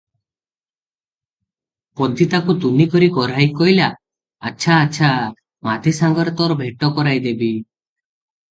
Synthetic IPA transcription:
pɔd̪ʱit̪akut̪unikɔɾikɔɾajkɔɦjlaː | ʃʰaːtːʃʰa | mat̪isaŋɡɔɾɔt̪ɔɾɔbʱeʈɔkɔɾajd̪ebi

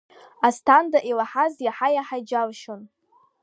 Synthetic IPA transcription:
astʰandaʔilaħazjaħajaħajd͡ʒalʃon

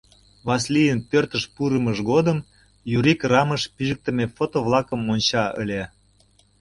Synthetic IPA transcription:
βɑs̬lijənpørt̪əʃpuɾəməʒɣod̪əm | juɾikrɑməʃpiʒək̚t̪ə̆mefot̪oβlˠɑkəmonʲt͡ɕɑə̰lʲe

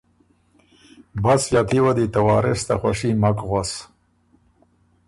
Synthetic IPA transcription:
basjat̪iwad̪it̪awɑːɾɪst̪axwaʂimakɣas

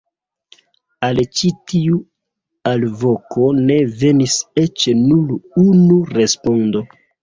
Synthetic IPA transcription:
alt͡ʃitiu | alvo̞kʰo̞ne̞ve̞nise̞t͡ʃenulunuɾe̞spo̞ndo̞

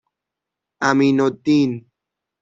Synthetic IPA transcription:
aminot̪in

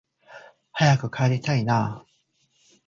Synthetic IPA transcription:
hajakɯ̟kʰaeɾʲit̪ainaː

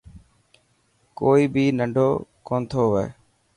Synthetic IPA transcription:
koːiːbiːnəɳɖʱoːkoːnt̪ʰoːʋɛ̰ː

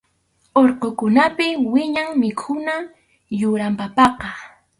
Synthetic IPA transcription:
oɾqokʊnapɪwɪɲaŋmɪkʰʊna | jʊɾampapɑqɑ

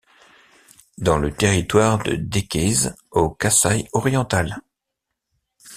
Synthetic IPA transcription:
d̪ɑ̃lət̪eʁit̪waʁd̪ə̰d̪ekʲɛzokasajɔʁjɑ̃t̪al

